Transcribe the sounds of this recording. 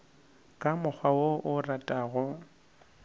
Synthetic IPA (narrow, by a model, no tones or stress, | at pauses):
kʼamʊk͡xʰwawoʔʊratʼaɣʊ